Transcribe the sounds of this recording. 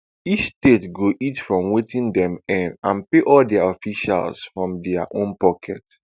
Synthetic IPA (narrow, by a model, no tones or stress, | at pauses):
it͡ʃstetɡoʔitfɹɔ̃mwetĩndɛ̃mɛ̃nãnpeʔɔldɛaɔfiʃa̰lˠsfɹɔ̃mdɛaʔõnpɔkʰɛ̰t